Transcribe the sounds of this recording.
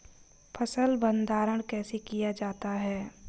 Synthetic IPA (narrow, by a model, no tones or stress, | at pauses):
pʰəsəlbə̃nd̪aːɾəɽ̃kɛːsekijad͡ʒaːt̪aɦɛː